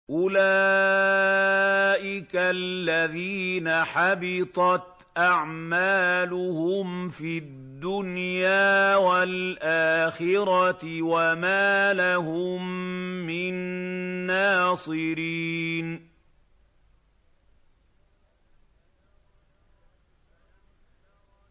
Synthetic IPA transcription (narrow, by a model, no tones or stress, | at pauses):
ʔʊlaː | ʔɪkalːaðiːnaħabɪt̪ˤɑt̪ | ʔaʕmaːlʊhʊmfid̪ːʊnjaːwalʔaːxɪɾɑt̪wamaːlahʊmːɪnː | aːsˤɨɾiːn